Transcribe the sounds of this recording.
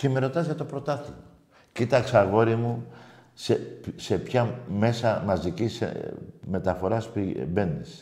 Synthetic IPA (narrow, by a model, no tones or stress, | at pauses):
cemeɾo̞t̪ɐzʝɐt̪o̞pɾo̞t̪ɐθio | cit̪ɐkseɐɣo̞ɾimusese̞pçɐme̞sɐmɐzicisḛme̞t̪ɐfo̞ɾɐspibe̞nis